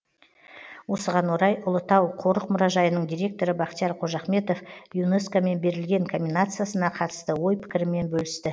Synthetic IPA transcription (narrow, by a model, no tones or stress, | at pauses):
wo̞səʁɑnwo̞ɾɑjʊlˠət̪ɑwqʰo̞ɾəqmʊɾɑʒɑjənəɴd̪ijɾʲe̞k̚t̪o̞ɾəbɑqt̪ijɑɾqʰo̞ʒɑχme̞t̪o̞fjuneskome̞nbe̞ɾɪlɡʲe̞ŋkʰomʲinat̪sɨjasənɑqʰɑt̪ə̥st̪əwo̞jpʰɪ̥kʲɪɾɪme̞nbɵlɪst̪ɪ